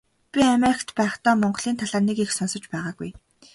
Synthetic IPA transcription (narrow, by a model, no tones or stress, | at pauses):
pʲiameɾɪkʰt̪pæːχt̪ɔːmɔɴɢɞ̆ɮiːnt̪ʰaɮaːrnekixsɔnsɞ̆t͡ɕpæːʁaːɡṵj